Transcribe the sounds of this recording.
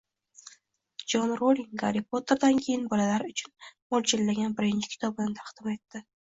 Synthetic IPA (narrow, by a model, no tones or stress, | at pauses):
d͡ʒɒnɾoliŋɡa̰ɾipʰot̪ʰe̞ɾd̪ankʲʰe̞jɪnbɒlalaɾʊt͡ʃʰʊnmɒlt͡ʃʰɪlːaɡʲanbɪɾɪnt͡ʃʰɪkʰʲɪ̥t̪ʰɒbɪnɪt̪ʰaqd̪̥ɪme̞t̪ːɪ